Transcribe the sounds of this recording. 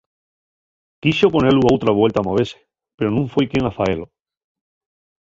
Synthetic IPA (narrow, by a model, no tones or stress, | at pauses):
kiso̞po̞neluawt̪ɾaβwe̞lt̪amaβe̞se | pe̞ɾo̞nũɱfwejkjeŋafaelo